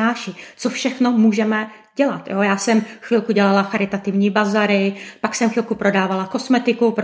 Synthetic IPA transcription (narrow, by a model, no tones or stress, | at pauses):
aːʃɪt͡sofʃɛxnomuːʒɛmɛ | ɟ̥ɛlat̪joːjaːsɛmxvɪlkuɟɛlalaxaɾɪt̪at̪ɪvɲiːbazaɾɪpaksɛmxvɪlkupɾo̞daːvalako̞smɛt̪ɪkupɾ